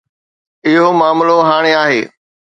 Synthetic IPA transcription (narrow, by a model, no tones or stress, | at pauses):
ɪɦomaːmloɦaːɽ̃eaːɦeː